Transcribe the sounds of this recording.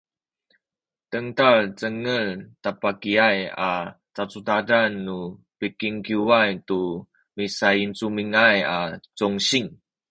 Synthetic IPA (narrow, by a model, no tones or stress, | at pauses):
təŋtart͡səŋəltapakiajat͡sat͡sutadanːu | pikiŋkiwajtu | misaint͡sumiŋajat͡sɔŋɕiŋ